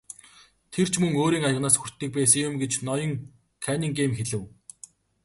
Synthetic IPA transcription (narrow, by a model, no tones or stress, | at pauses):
t̪ʰer̥t͡ɕʰmɵŋoːɾiːŋajə̆ʁnaːsxur̥t̪ːiːk̚pæːs̬ə̆ŋjʊmɡet͡ɕnɔjɞ̆ŋ | kʰæːniːŋɡeːmxeɮɘ̆w